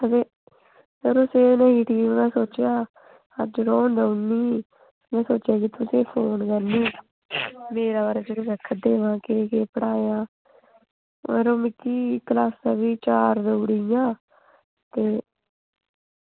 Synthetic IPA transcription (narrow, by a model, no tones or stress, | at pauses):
əd̪eː | d͡ʒəɾʊseːnəɦiːʈiːmmɛ̃ːsoːt͡ʃjaː | ə̰d͡ʒɾoːnd̪əuniː | mɛ̃ːsoːt͡ʃjaːkɪt̪ʊsẽːpʰoːnkəɾniː | meːɾaːbaːɾeːd͡ʒeɾoːɾəkʰːəd̪eːʋãːkeːkeːpəɽaːjãː | eːɾoːmɪkːiːklaːsaːʋiːt͡ʃaːɾd̪əːɽijãː | t̪eː